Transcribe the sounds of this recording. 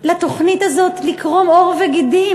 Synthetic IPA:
lat̪o̞χnit̪azo̞t̪likʁo̞mo̞ʁveɡid̪i

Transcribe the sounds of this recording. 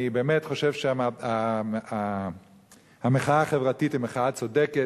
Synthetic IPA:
ibeːmetχoʃevʃeamaaa | hameχaaːχevʁatitimeχaat͡sodeke

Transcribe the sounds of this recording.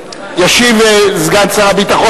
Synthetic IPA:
jaʃivezɡant͡saʁabit̪aχo

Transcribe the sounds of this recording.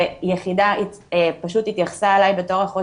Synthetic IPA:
ejeχidaitpaʃuthitjaχsaːlajbe̞to̞ʁaχo

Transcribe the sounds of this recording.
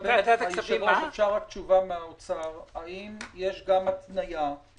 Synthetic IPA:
d̪at̪aiʃaoefʃaʁakt͡ʃuvameaot͡saʁaimje̞ʃɡamat̪naja

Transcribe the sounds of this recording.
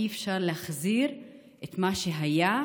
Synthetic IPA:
iefʃaʁlehaχziʁ | ʔet̪maʃeɦaja

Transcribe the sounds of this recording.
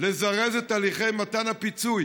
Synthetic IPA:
lezaʁezet̪aːliχejmat̪anapit͡suj

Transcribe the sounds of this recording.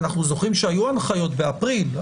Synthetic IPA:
naχnuzo̞χʁimʃeajuanχajo̞tbeapʁil

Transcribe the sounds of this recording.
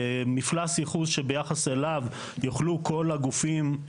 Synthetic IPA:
miflasjiχuzʃebe̞jaχase̞lav | joχlukʰo̞laɡufim

